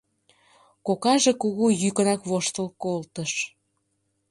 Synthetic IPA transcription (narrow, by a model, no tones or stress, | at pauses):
kokɑʒekuɣujykənɑkβoʃt̪əlkolt̪əʃ